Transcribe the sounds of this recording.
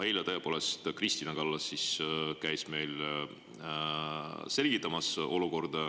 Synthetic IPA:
ejlɑt̪ɤepo̞ːlest̪krist̪inɑkɑlːɑsːiskæjsme̞jl | se̞lʲɡ̥it̪ˑːɑmɑso̞luko̞rd̪̥

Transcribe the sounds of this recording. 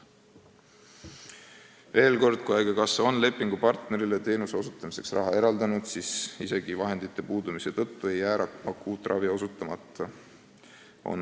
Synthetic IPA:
ve̞ːlko̞rd̪̥̚kujæjɡ̥ekɑso̞nle̞pːˑiŋɡupɑrt̪ne̞ɾile̞t̪e̞ːnuse̞o̞sut̪ːˑɑmise̞ksrɑ̰ɦɑe̞ɾɑld̪ɑnud̪̥sisise̞ɡ̥ivɑɦe̞nd̪it̪ːe̞puːd̪umise̞t̪ɤt̪ːue̞jːæːɾɑkmɑkːuːt̪ˑrʔɑvio̞sut̪ːˑɑmɑt̪ˑːɑ | o̰n

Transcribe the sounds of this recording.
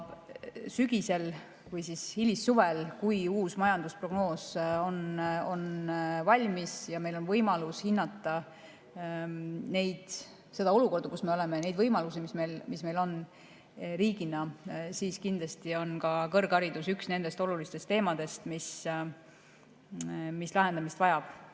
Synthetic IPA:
syɡ̥ise̞l | vɤjsishilisːuvelkujuːsmɑjɑnd̪̥uspro̞ɡno̞ːso̞no̞nvɑlʲmisjɑme̞jlo̞nvɤjmɑlushinːɑt̪ːˑɑ | ne̞jd̪̥ | se̞d̪ɑo̞lukord̪̥ɑkusme̞o̞le̞mene̞jd̪vɤjmɑlusimisme̞lmisme̞jlo̞n | riːɡ̥inɑsiːskind̪lɑst̪io̞nkɑkɤ̞rɡɑɾid̪̥usyksne̞nd̪e̞st̪o̞lulist̪e̞st̪ːe̞ːmɑd̪̥e̞st̪mis | mislɑɦe̞nd̪ɑmist̪vɑjɑb̥

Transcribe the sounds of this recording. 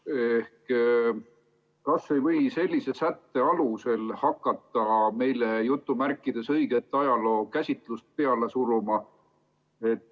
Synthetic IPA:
ehk | kɑsːe̞jvɤjse̞lʲːise̞sæt̪ːe̞ɑluse̞lhɑkːˑɑt̪ːˑɑme̞jle̞jut̪ːˑumærkˑːid̪̥e̞sɤjɡe̞t̪ːˑɑjɑlo̞ːkæsʲit̪ˑlust̪̚pe̞ɑle̞suɾumɑ | e̞t̪ː

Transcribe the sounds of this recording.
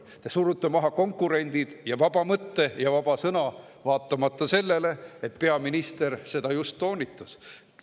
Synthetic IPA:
t̪esuɾut̪ːˑemɑɦɑko̞ŋkːuɾe̞nʲd̪̥id̪̥jɑvɑb̥ɑmɤt̪ːe̞jɑvɑb̥ɑsɤnɑ | vɑːt̪ˑːɑmɑt̪ːɑse̞lːe̞le̞et̪̚pe̞ɑminist̪e̞rse̞d̪̥ɑjust̪ːo̞ːnʲit̪ːˑus

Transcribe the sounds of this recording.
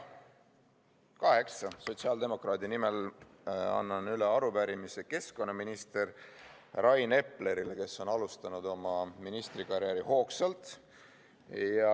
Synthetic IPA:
kɑɦe̞ksɑso̞t̪siɑld̪e̞mo̞krɑːd̪inime̞l | ɑ̰nːɑnyleɑɾupæɾimise̞ke̞sko̞nːɑminist̪e̞r | rɑjne̞pˑle̞ɾileke̞sːo̞nɑlust̪ɑnud̪o̞mɑminist̪rikɑɾjæɾiho̞ːksɑlt̪ˑ | jɑ

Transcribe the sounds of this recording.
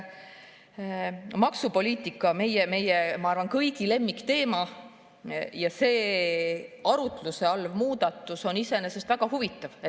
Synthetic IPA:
mɑksupo̞lʲiːt̪ˑikːˑɑme̞jeme̞jemɑɑrvɑnkɤjɡ̥ile̞mːikt̪e̞ːmɑ | jɑse̞ː | ɑɾut̪luse̞ɑlvmuːd̪̥ɑt̪ːˑuso̞nise̞ne̞se̞st̪væɡ̥ɑhuvit̪ːˑɑv

